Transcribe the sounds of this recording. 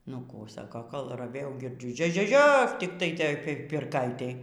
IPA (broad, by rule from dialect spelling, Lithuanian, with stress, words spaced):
nʊ ˈkuː ˈsɑːkoː koːlˠ rɐˈʋʲeːjɛʊ ɡʲɪrʲˈd͡ʒʲʊ ˈʒʲoː ˈʒʲoː ˈʒʲoː tʲɪktɐɪ ˈtoːj pʲɪrˈkɐɪtʲeːj